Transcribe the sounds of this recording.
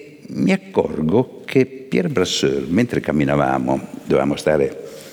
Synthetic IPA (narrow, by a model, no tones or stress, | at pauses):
miakːɔ̰rɡokʰepjɛɾbɾasøɾment̪ɾekamːinava̰ːmod̪ova̰ːmost̪aːɾe